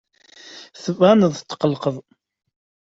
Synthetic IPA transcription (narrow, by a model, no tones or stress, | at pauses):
θəvʁænəðˤt̪ːqəlqəðˤ